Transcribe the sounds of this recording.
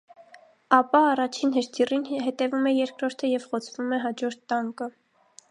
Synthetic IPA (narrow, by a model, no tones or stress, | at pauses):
ɑpɑːrɑt͡ʃʰinɦəʃt̪ʰirinɦɛt̪ɛvumɛjɛɾkɾɔɾt̪ʰəjɛvχɔt͡sʰvumɛɦɑd͡ʒɔɾt̪ːɑŋkə